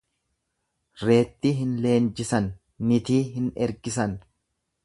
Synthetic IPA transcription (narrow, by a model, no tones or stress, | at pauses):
ɾe̞ːt̪ːiːɦɪnle̞ːnd͡ʒɪsɐnː | ɪt̪iːɦɪnɛɾɡɪsɐn